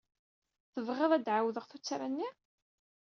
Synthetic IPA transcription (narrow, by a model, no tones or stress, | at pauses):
θəvʁeðˤæd̪ʕawðəʁθut͡sːaɾanːi